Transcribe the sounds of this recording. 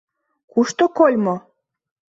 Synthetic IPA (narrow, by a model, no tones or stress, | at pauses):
kuʃt̪okolʲmo